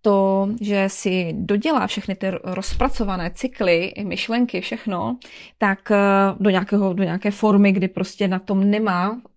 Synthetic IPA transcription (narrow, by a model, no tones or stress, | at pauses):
t̪oʒɛsɪdo̞ɟɛla̰ːfʃɛxnɪt̪ɪɾospɾat͡so̞vanɛːt͡sɪklɪmɪʃlɛŋkɪfʃɛxno̞t̪akdo̞ɲaːkɛːɦo̞doɲakɛːfo̞ɾmɪɡdɪpɾoscɛnat̪o̞mnɛmaː